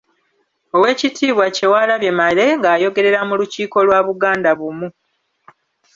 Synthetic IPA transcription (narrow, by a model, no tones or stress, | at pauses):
o̞we̞ːcitiːβwace̞waːlaβje̞male̞ŋɡaːjo̞ɡe̞ɾe̞ɾamuluciːko̞lwaːβuɡaːndaβumu